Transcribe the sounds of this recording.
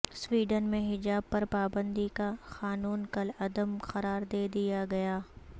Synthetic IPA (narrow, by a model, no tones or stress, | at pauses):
swiːɖənmẽɦɪd͡ʒaːb̚pɐɾpaːbə̃nd̪ikaxaːnuːnkɐlɐd̪əmxɐɾaːɾd̪eːd̪ijaɡɐjaː